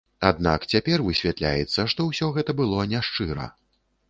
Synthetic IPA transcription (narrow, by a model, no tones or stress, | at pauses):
ad̪na̰kt͡sʲapʲɛrvɨsʲvʲat̪lʲa̰jɛt̪sːɐʂt̪ɔwsʲɔɣɛt̪ɐbɨlˠɔnʲaʂt͡ʂɨɾɐ̰